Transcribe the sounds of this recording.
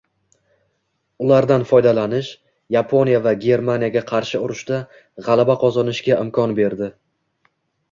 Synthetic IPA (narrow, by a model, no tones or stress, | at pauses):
ʊlˠaɾd̪anfɒjd̪alanɪʃ | japʰo̞njavaɡʲe̞ɾmanijaɡʲaqʰɑɾʃɪʊɾɪʃd̪a | ʁɑlˠabaqʰɒzɒnɪʃɡʲaʔɪmkʰɒnbe̞ɾd̪ɪ